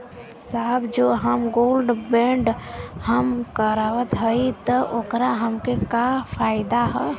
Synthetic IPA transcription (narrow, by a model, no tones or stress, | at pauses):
saːbd͡ʒoːɦəmɡoːlɖbẽːɳɖhəmkəɾaʋət̪ɦəit̪əʔoːkɾaɦəmkekafʰaːɪd̪aɦɛ